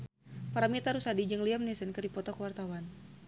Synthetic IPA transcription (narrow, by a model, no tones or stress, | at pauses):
paɾamit̪aɾusadid͡ʒɨŋliamnɛsənkərdipɔt̪ɔkəwart̪awan